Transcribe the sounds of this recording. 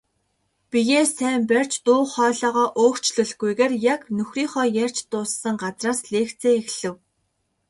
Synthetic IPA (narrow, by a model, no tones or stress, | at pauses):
pijeːsæːmpær̥ʲt͡ɕt̪ʊːχɔːɮɔːʁɔːʔoːkt͡ɕɮɵ̆ɮɡujɣeːrjaknɵxriːŋχɔːjær̥ʲt͡ɕt̪ʊːsːə̆ŋɢat͡sraːsɮeːkt͡sʰeːexɮɘ̆w